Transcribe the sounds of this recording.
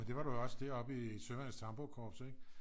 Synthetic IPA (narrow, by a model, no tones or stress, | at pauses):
end̥e̝ʋɑ̈ɾ̥ujoɒ̽sd̥e̝ɐɒ̽b̥isømæn̰st͡sʰɑ̈mb̥okʰɒ̰ːb̥seɡ̥